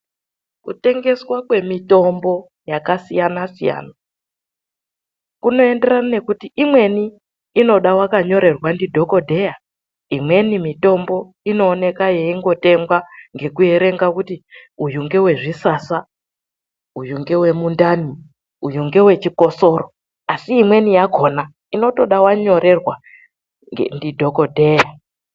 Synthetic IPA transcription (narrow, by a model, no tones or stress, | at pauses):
kute̞ŋɡe̞swakwe̞mito̞mbo̞ | jakasijanasija̰ːna | kuno̞e̞nde̞ranane̞kutiʔimwe̞niː | no̞ɗawakaɲo̞ɾe̞rwandidʱo̞ko̞dʱe̞ja | imwe̞nimito̞mbo̞ | ino̞ːne̞kaje̞iŋɡo̞te̞ŋɡwaŋɡe̞kue̞ɾe̞ŋɡakutiujuŋɡe̞we̞ʐisasa | ujuŋɡe̞we̞mundani | ujuŋɡe̞we̞t͡ʃiko̞so̞ɾo | asiːmwe̞nijaɡʱo̞na | ino̞to̞ɗawaɲo̞ɾe̞rwa | ndidʱo̞ko̞dʱe̞ja